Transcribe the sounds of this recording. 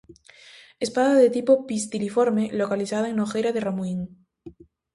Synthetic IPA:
espaðaðet̪ipopist̪ilifoɾmelokaliθaðaeŋnoxejɾaðeramuiŋ

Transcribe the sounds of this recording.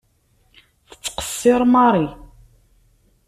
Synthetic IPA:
θə̥qt͡sːqə̥sːɪɾˤmɑɾˤi

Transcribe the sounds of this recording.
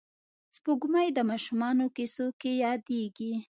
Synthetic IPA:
spoɡumajd̪əmɑʃumɑnokesokejɑd̪eɡi

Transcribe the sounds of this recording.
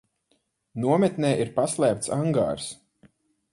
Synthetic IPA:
nuɔmɛt̪nɛːʔiɾpaslʲˠæːp̚t̪saŋɡa̰ːɾs

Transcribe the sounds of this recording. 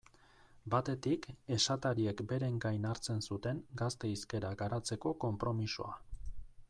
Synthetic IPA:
bat̪e̞t̪ike̞ʃat̪aɾie̞kbe̞ɾe̞ŋɡajnaɾt͡se̞nsut̪e̞ŋɡast̪e̞iske̞ɾaɡaɾat͡se̞ko̞ko̞mpɾo̞misoa

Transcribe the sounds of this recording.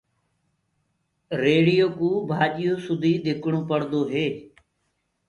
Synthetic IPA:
ɾeːɽɪjoːkuːbʱaːʄɪjoːsʊd̪ʱiːɗ̪ɪkɳõːpəɽd̪oːɦeː

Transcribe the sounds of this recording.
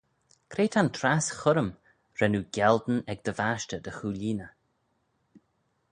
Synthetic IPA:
kʰɾeːt̪ʰant̪ʰɾasxʊɾəm | ɾɛnuːɡʲɛld̪n̩ɛɡ̚d̪əvaːʃtəd̪əxuːlʲiːnə

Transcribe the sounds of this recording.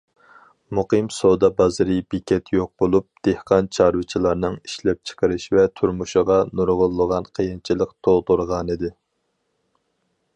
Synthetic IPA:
muqɨmsod̪ɑbɑzɨɾɨbikʲʰɛt̪ʰjoq̚bolˠup̚d̪̥ehqɑnt͡ʃʰɑɾvɨt͡ʃʰilˠɑɾnɨŋiʃlɛp̚t͡ʃʰə̥qʰəɾɨʃvɛt̪ʰuɾmuʃəʁɑnuɾʁʊlˠːəʁɑnqʰəjint͡ʃʰilˠəqt̪ʰolˠt̪oɾʁɑnɨd̪ɪ

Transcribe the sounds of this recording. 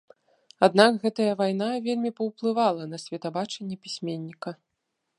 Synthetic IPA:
ad̪̚nakɣɛt̪ɐjɐvajnavʲelʲmʲipɐwplˠɨvalˠɐnɐsʲvʲɛt̪abat͡ʂɐnʲːɛpʲisʲmʲenʲːikɐ

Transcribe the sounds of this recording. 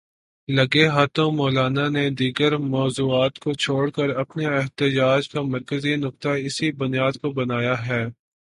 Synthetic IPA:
lɐɡeɦaːt̪õmɔːlaːnaned̪iːɡəɾmɔːzuːaːt̪kot͡ʃʰoːɽkəɾɐpneɛɦt̪ɪd͡ʒaːd͡ʒkamɐɾkəzinʊk̚t̪aɪsibʊnijaːd̪kobɐnaːjaɦɛː

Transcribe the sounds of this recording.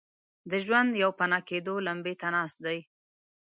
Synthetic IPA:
d̪əʒwand̪jawpanɑked̪olambet̪anɑst̪d̪aj

